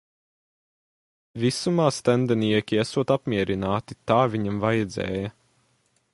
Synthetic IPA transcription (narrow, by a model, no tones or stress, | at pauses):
visumaːst̪ænd̪ɛniɛkʲiesuɔt̪apmʲiɛɾinaːt̪it̪aːviɲamvajɛd̪zɛ̰ːjɐ